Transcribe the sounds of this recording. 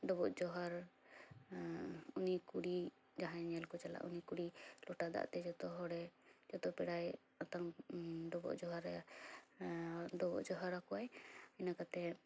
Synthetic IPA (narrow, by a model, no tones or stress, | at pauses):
d̪ɔbɔʔd͡ʒɔɦaɾ | unikuɽi | d͡ʒaɦãɲɛlkɔt͡ʃala̰ʔunikuɽilɔʈad̪a̰ʔt̪ɛd͡ʒɔt̪ɔɦɔɽɛd͡ʒɔt̪ɔpɛɽaj | at̪aŋd̪ɔbɔ̰ʔd͡ʒɔɦaɾ | d̪ɔbɔ̰ʔd͡ʒɔɦaɾakuajɛnakat̪ɛ